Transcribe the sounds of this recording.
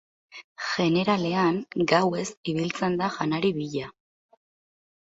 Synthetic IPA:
ʝe̞ne̞ɾale̞aŋɡawe̞siβ̞ilt͡se̞nd̪aʝanaɾiβiʎa

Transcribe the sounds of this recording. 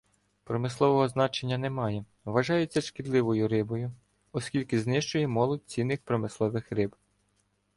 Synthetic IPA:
pɾɔmɪslˠɔʋɔɦɔznɑt͡ʃe̞nʲːɐnɛmɑjɛ | ʋɐʒɑjɛt͡sʲːɐʃkɪd̪lˠɪʋɔjʊɾɪbɔjʊ | ɔskʲilʲkɪznɪʃt͡ʃʊjɛmɔlˠɔd̚ʲt͡sʲinːɪxpɾɔmɪslˠɔʋɪxɾɪb

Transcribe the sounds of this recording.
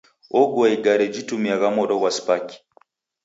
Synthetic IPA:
oɡwaiɡaɾed͡ʒitumiaɣamoɾɔɣwaspaki̥

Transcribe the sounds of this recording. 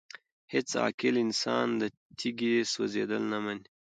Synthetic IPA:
hɪt͡sɑ̰ːkɪlɪnsɑ̰ːnd̪ə | t̪ʰiɡiswo̰zed̪əlnaman

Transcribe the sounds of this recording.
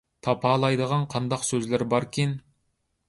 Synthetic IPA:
t̪ʰɑpʰɑːlˠɑjd̪əʁɑnqʰɑnd̪ɑqsøzlɪɾbɑɾkʲʰin

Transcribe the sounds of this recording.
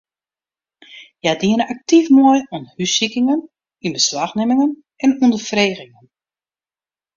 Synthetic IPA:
jadiənəak̚tifmojɔnhysikɪŋən | inbəslaxnɪmɪŋən | ɛnundərfreːɣɪŋən

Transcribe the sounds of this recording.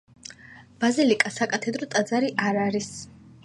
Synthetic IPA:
b̥azilikʼasakʼat̪ʰɛd̪ɾɔt̪ʼad̪zaɾiʔaɾaɾis

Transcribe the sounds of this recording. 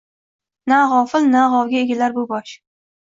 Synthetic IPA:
naʁɒfɪlnaʁɒwɡʲaeɡʲalaɾbʊbɒʃ

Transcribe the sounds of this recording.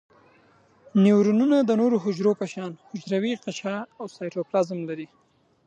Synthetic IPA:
newɾununad̪ənoɾoɦʊd͡ʒɾopəʃɑnhʊd͡ʒɾawiqat͡ʃɑawsɑjʈoplazəmlaɾi

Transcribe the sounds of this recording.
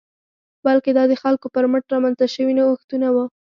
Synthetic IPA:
balked̪ɑd̪əxalkopəɾməʈɾɑmanzt̪aʃəwinawaxt̪unawu

